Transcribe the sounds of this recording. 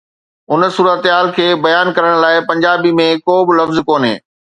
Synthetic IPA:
ʊnsuːɾət̪ɦaːlkʰeːbɐjaːnkɐɾəɽ̃laːɪpɐ̃ɲd͡ʑaːbimẽkoːbɪlɐfzkoːnɦḛː

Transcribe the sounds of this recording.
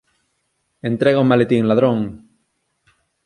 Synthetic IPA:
ent̪ɾeɣaomalet̪iŋlaðɾõŋ

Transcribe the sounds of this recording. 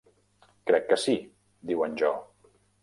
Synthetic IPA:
kɾɛkːəsi | d̪iwənʲʒɔ

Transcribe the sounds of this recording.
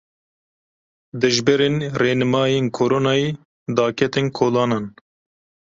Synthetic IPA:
d̪ɨʒbɛɾeːnreːnɨmɑːjeːnkʰoːɾoːnɑːjeː | d̪ɑːkʰɛt̪enkʰoːlɑːnɑːn

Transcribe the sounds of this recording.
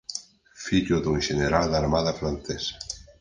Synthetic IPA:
fiʎʊðuŋʃeneɾald̪aɾmaðafɾanθesḁ

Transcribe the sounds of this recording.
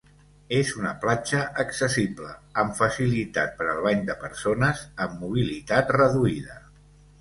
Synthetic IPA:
ezunəplat͡ʃəʔːksəsipləːɱfəsilit̪a̰t̪̚pəɾəlˠβaɲd̪əpəɾsonəzəmːuβ̞ilit̪at̪rəðuiðə

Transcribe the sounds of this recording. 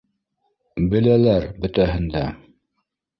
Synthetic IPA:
bɘ̆lælæɾbɵ̆t̪æɦɘ̆nd̪æ

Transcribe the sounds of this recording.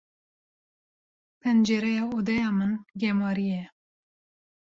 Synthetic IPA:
pʰɛnd͡ʒɛɾɛjɑːod̪ɛjɑːmɨnɡɛmɑːɾijɛ

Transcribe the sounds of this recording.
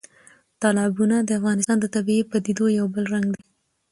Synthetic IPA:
t̪ɑlɑbunad̪əafɣɑnɪst̪ɑnd̪ət̪abiepəd̪id̪ojawbəlɾaŋɡd̪e

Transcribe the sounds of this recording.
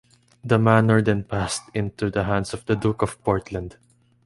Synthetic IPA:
d̪ɐmanəɹd̪ɛ̃npast̪ɪ̃nt̪ud̪ɐɦãnd̪sɔvd̪ɐd̪ukɔv̥pɔɹt̪lãnd̪

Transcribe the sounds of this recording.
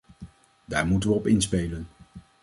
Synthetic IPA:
daːɹmutənʋəɔpɪnspejlən

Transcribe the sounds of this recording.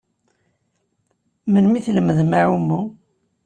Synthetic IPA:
mənmiθləməðmaʕumːu

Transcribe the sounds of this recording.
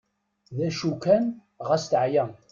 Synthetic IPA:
ðæʃukæn | ʁæst̪ʕjæ

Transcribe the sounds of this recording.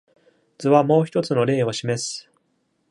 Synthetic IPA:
d͡zɨβamo̞ːçi̥t̪ot͡sɨno̞ɾe̞ːo̞ɕimesɨ̥

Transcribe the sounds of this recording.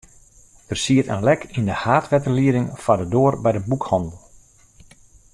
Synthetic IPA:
d̥ərsiətə̰nlɛkʰindəhaːtʋɛtəliəɾɪŋfadədoːərbɛjdəbukhɑndəl̩ˠ

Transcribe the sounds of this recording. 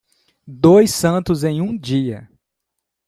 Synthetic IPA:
d̪ojsɐ̃nt̪ʊzẽj̃ũd͡ʒiɐ̰

